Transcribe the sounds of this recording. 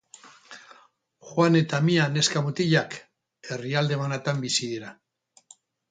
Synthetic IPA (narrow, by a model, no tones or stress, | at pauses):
xwane̞t̪amiane̞skamut̪iʎak | e̞riald̪e̞manat̪ambisiðiɾa